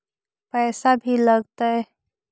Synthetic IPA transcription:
pɛːsabʱiləɡt̪aɛ

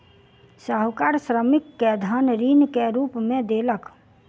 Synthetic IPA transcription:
saɦʊkaːɾsɾəmɪkːed̪ʱaːnɾiːnkeɾuːpmẽd̪eːlək

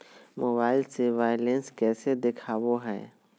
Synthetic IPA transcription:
moːbaːɪlseʋaːɪlẽnskɛːsed̪ekʰaːwoɦɛ̰ː

